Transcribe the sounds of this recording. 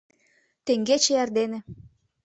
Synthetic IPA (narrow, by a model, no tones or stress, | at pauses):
t̪eŋɡet͡ɕĕærd̪enĕ